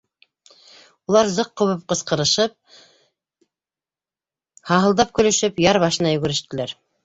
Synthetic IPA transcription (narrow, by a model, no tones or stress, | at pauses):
ulˠɑɾzɤqːŭwɤp̚qɤ̆sqɤ̆ɾɤ̆ʃɤp̚ | hɑɦɤ̆lˠd̪ɑp̚kɵ̆lɵ̆ʃɘpjɑɾβɑʃɤ̆nɑjɵ̆ɡɘ̆ɾɘ̆ʃt̪ɘ̆læɾ